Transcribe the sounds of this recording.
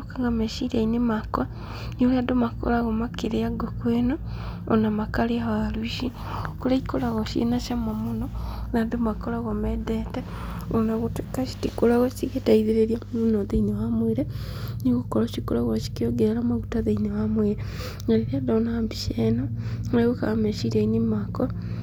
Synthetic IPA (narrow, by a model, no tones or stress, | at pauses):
kaŋɡameʃiɾainemakwa | nioladomako̰laɣomakiɾejaɡokwena | onamakaliaβaluiʃi | kolaikolaɣoʃiḛnaʃamamunonadomakolaɣomedete | onaɣutekaʃi̥tikolaɣot͡ʃiɣetaiðiɾeɾjamunoðainewamwiɾe | niɣukoloʃikolaɣaʃi̥kioɡeɾamaɡutaðainewamweɾe | ŋaleɾiadonambiʃenaleɣuka̰meʃiɾeinimako